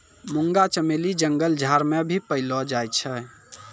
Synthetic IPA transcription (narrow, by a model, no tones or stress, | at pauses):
muŋɡat͡ʃəmelid͡ʒəŋɡəld͡ʒʱaɾmebʱipəɪlɔd͡ʒajt͡ʃʰɛ